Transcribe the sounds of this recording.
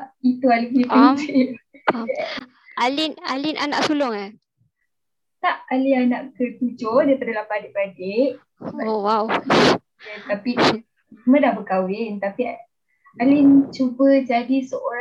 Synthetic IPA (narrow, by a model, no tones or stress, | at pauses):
it̪ualiɡipit͡ʃi | alɪnalinʔa̰na̰ʔsulʊŋa | t̪aʔalianaʔkət̪ud͡ʒodaipadalapadɪʔpadɪʔ | owaw | t̪api | mədahbəkawɪnt̪api | alɪnt͡ʃubəd͡ʒadisəʔoɾ